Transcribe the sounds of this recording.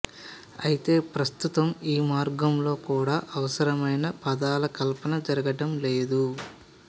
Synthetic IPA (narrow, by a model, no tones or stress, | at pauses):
ɐjit̪e̞ːpɾɐst̪ut̪ɐmiːmaːɾɡɐmlo̞ːkuːɽaːʔɐʋɐsɐɾɐmɐjnɐpɐd̪aːlɐkɐlpɐnɐd͡ʒɐɾɐɡɐɖɐmle̞ːd̪u